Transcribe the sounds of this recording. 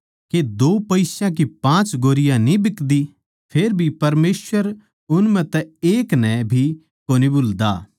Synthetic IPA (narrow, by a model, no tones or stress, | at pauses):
ked̪oːpɐɪsãk̬ipãːt͡ʃɡoːɾɪjãnĩbɪkd̪i | pʰeːɾbʱipɐɾmeːswəɾ | ʊnmə̃t̪ɛeːknɛ̃bʱi | koːnibʊld̪aː